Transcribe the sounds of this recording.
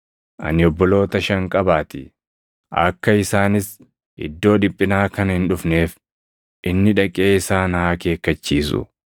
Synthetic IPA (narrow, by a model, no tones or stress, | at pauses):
ʔɐ̰nɪɔbːɔlo̞ːt̪ɐʃɐŋkʼɐbaːt̪ɪ | ʔɐ̰kːɐɪsaːnɪs | ʔɪ̰d̪ːo̞ːᶑ̪ɪpʼːɪnaːkɐnhɪnᶑʊfne̞ːf | ʔɪnːɪᶑɐkʼːe̞ːɪsaːnhaːke̞ːkːɐt͡ʃːiːsʊ̰